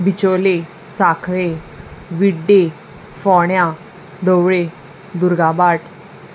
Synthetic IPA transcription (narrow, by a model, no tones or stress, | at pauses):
bit͡ɕole | sakʰɭe | ʋiɖe | fɔɽjã | d̪əwɭe | d̪uɾɡabaʈ